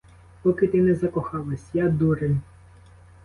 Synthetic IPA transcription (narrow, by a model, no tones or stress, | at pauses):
pɔkɪt̪ɪnɛzɐkɔxɑlˠɐsʲjad̪uɾenʲ